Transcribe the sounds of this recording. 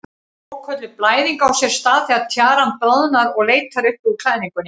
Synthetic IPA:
ɔwkʰœt̪lɪplaːjðiŋkawsjɛɾ̥st̪aːðθiaðt̪ʰjaːɾanpœðnaɾɔɣleːjt̪ʰaɾʏhpʏðkʰl̥aːjniŋkʏnɪ

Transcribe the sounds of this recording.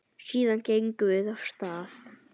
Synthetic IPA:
siːðancejŋkvʏðav̥st̪aːθ

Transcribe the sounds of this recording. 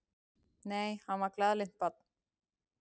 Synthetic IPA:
nɛjhamaklaðlɪn̥t̪̚pat̪̚

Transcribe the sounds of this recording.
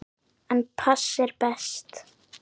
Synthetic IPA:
ə̃npʰʌsɪɹbɛst̪

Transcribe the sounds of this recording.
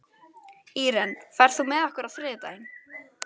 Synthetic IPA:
iːɾɛnfɛɾ̥θumɛðahkʏɾaðfɾɪːðɪt̪a̰jɪn

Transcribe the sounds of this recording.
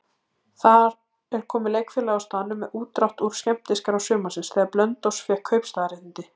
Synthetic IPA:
θaɾ | ɛɾ̥kʰɔːmɪlejkfɪɾlaawst̪aːðnʏmːɛðuːt̪ɾawht̪uɾ̥scɛm̥t̪ɪskaɾawsʏːmasɪnsθɛaɾplœnt̪owsfjɛhkʰœɥpst̪aðɾɪht̪ɪnt̪ɪ

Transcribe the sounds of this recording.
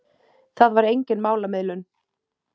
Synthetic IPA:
θaðvaɾejɲcɪnmaːwlamɪðlʏn

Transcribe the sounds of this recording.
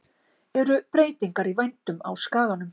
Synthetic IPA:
ɛɾʏpɾeːjt̪iŋkaɾivajnt̪ʏma̰wskaːðanʏm

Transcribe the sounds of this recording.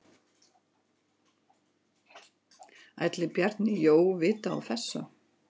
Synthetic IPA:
a̰jt̪lɪpjɛɾ̥t̪nɪjoːwvɪːt̪aa̰wθɛsːa

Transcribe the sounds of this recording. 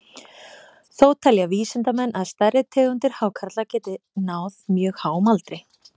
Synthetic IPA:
θoːwt̪ʰaljaviːsɪnt̪amɛnːʔaðst̪arːɪt̪ʰɛːɣʏnt̪ɪɾ̥hawkʰaɾt̪lacɛːt̪ɪnaːwðmjœːɣhaːwɔmalt̪ɾɪ

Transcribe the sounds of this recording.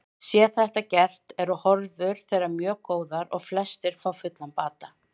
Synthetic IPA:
sjɛːθɛht̪acɛr̥t̪ɛɾɔhɔɾvʏɾ̥θejɾaɾmjœːkoːwðaɾɔ̰ɣflɛst̪ɪɾ̥fawfʏt̪lanpaːt̪a

